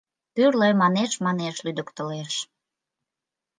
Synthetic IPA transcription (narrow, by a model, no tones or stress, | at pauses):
pyrləmɑneʃmɑneʃlyd̪əkt̪ə̆leʃ